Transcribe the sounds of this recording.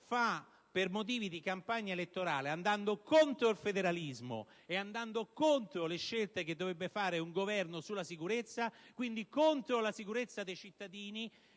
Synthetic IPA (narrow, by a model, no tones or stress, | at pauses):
fa | permot̪̬iːvid̪ikampaɲːaelet̪ːoɾaːleand̪and̪okont̪ɾoilfed̪eɾalizmo̰ | eand̪and̪okont̪ɾoleʃːelt̪ek̟ed̪ːovɾebːefaːɾeuŋɡovɛrnosulasikuɾet̪sːakwind̪ikont̪ɾolasikuɾet̪sːad̪ejt͡ʃit̪ːad̪iːni